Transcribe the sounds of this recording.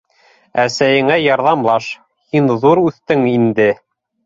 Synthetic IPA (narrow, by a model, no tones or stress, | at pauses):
æsæjɘ̆ŋæjɑɾðɑmlˠɑʃ | hinðuɾʉθt̪ɘŋind̪ɘ